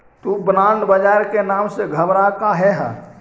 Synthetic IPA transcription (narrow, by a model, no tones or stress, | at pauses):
t̪ubɾaɳɖbəd͡ʒaːɾkenaːmseɡʱəbɾakaɦɛɦə̰